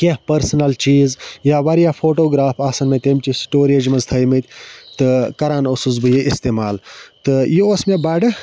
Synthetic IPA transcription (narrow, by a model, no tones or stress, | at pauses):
kʲeɦpɐɾsɐnɐlt͡ʃiːzjaːʋɐɾijaːfʰoːʈoːɡɾaːpʰaːsɐnmẽt̪emt͡ʃisʈoːɾeːd͡ʒmɐzt̪ʰɐjmɨt̪ʲʰt̪ɨkɐɾaːnosuzbɨjeʔist̪eːmaːlt̪ɨjoosmẽbɐɖɨ